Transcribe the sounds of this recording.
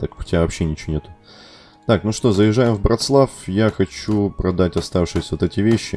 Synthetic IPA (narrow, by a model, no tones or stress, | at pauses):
t̪akʊ̥tʲɪavɐpɕːenʲɪt͡ɕɪonʲe̞t̪ʊ̥ | t̪aknuʂt̪ozəjɪʐajɪmvbɾɐt̪slˠafjaxɐt͡ɕupɾɐd̪atʲɐst̪afʂɨjɪsʲəvot̪ɛtʲɪvʲeɕːɪ